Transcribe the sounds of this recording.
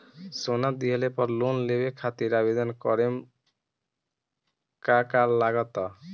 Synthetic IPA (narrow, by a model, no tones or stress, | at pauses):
sonad̪iɦelepɔɾlonlebekʰat̪iɾabed̪ɔnkɔɾem | kakalːaɡɔt̪ɔ